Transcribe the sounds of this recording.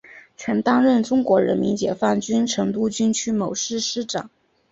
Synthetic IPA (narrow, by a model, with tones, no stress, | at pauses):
t͡ɕʰɥɛ˧˥nt̪ɑ˥ŋɻə˥˩nʈ͡ʂʊ˥ŋkwɔ˧˥ɻə̰˧˥nmi˧˥nt͡ɕjɛ˨˩fa˥˩nt͡ɕy˥nʈ͡ʂʰɤ˧˥ŋt̪̬u˥t͡ɕy˥nt͡ɕʰy˥mo˨˩ʊʂɻ̩˥˧ʂɻ̩˥˩ʈ͡ʂɑ̰˨˩˦ŋ